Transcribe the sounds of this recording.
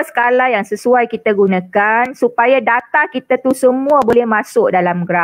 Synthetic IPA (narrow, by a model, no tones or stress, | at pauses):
sə̥kalajaŋsəsuajkit̪aɡunãkansupajadat̪akit̪at̪usəmũabolɛhmãsʊk̚dalamɡɾa